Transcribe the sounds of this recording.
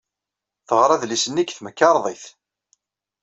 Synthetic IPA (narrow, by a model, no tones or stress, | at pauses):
θəʁɾˤɑðlisənːikθməkːɑɾˤðˤiθ